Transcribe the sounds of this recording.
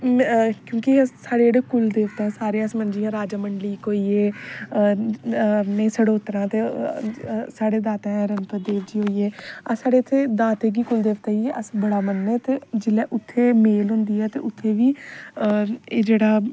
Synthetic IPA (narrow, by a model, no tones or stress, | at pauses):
kjõːkɪsaːɽeːeːɽeːkʊld̪eːʋt̪ɛ̃ːsaːɾeãːsmənd͡ʒɪjãːɾaːd͡ʒaːməɳɖliːkoːiːeː | nẽːsəɽoːt̪əɾãːt̪eː | saːɽeːd̪aːt̪ɛ̃ːɾənpəd̪eːʋd͡ʒiːɦoːiːeːasaːɽeːət̪ʰːeːd̪aːt̪ẽːɡiːkʊld̪eːʋt̪ɛːiəsbəɽaːmənːɛːt̪eːd͡ʒɪlɛːʔʊt̪ʰːeːmeːlɦʊ̃nd̪iːɛːt̪ḛːʔʊt̪ʰːeːʋiː | eːd͡ʒeːɽaː